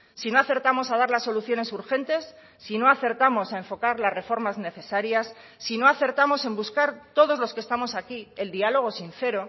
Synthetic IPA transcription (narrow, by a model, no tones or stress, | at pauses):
sino̞aθe̞ɾt̪amo̞sað̞aɾlasːo̞luθjo̞ne̞suɾxe̞nt̪e̞sː | ino̞aθe̞ɾt̪amo̞saeɱfo̞kaɾlasre̞fo̞ɾmazne̞θe̞saɾjasː | ino̞aθe̞ɾt̪amo̞se̞mbuskaɾt̪o̞ðo̞zlo̞skest̪amo̞sakie̞ld̪ialo̞ɣ̞o̞sin̟θe̞ɾo̞